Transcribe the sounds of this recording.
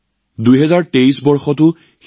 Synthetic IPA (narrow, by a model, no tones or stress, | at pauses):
dujɦɛzaɹteisbɔɹxɔtʊ | x